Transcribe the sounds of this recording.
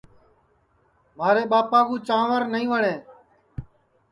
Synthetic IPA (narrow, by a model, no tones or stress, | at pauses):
maːɾeːɓaːpãːɡũːt͡ʃãːʋəɾnəĩːʋəɳẽː